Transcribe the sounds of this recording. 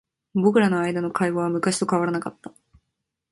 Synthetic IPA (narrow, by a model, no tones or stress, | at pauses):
bo̞kɯ̟ɾano̞ajd̪ano̞kʰaiɡo̞β̞amɯ̟kaɕi̥t̪o̞kaβaɾanakat̪ːḁ